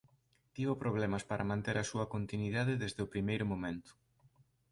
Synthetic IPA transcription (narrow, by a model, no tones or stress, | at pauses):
t̪iβopɾoβ̞lɛmɐspaɾʔɐmãnt̪eɾɐsuɐkont̪inwiðaðeðezðeʊpɾimejɾʊmomẽnt̪ʊ̥